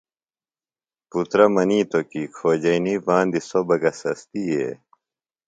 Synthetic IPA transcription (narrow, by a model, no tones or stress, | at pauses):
put̪ɾɐmɐniːt̪okikʰoːd͡ʑɐinipãːnd̪isobɐɡɐsɐst̪iḛ